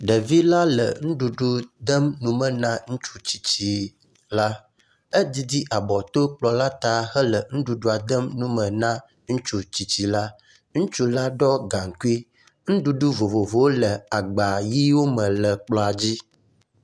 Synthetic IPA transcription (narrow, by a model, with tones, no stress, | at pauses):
ɖə˨vi˦la˦lə̰˨ŋũ˦ɖu˨ɖu˦d̪ə˦mnũ˨mə̃˨nã˦ŋũ˦t͡ʃu˦t͡ɕi˨t͡ɕi˨ | la˦ | ə˦d̪i˦d̪i˦ʔa˨bɔ˨t̪o˦k͡plɔ˨la˦t̪a˦xə˦lə˨ŋũ˦ɖu˨ɖu˦a˨d̪ə˦mnũ˦mə̃˨nã˦ | ŋũ˦t͡ʃu˦t͡ɕi˨t͡ɕi˨la˦ | ŋũ˦t͡ʃu˦la˦ɖɔ˦ɡa˨ŋ˨ku˦i˦ | ŋũ˦ɖu˦ɖu˦vo˨vo˨vo˨˦wo˦lə˨a˨ɡ͡ba˨ji˦wo˦mə̃˨lə˨k͡plɔ˨a˨d͡ʑi˦